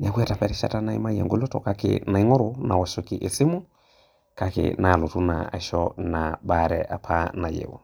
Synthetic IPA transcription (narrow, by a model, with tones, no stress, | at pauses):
ɲa˨kwɛ˦ta˨pɛ˨ɾɛ˦ʃa̰˦ta˦na˦e˦ma˦ja̰˨ŋɡo˦lo˦tɔ̰˨ka˨kḛ˨na˨i˦ŋo˦ɾo˨na˨wa˨so˨ki˨ʔe˨si˦mu˦ | ka˨kḛ˨na˨lo˨tu˦na̰a̰˨ʃɔna˨ba˨ɾɛʔa˨pʰa˦na˨jḛ˨wo̰˨